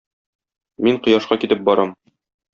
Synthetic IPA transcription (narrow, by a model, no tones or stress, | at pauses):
miɴqɤ̆jɑʃqɑkit̪ɘp̚bɒɾɑm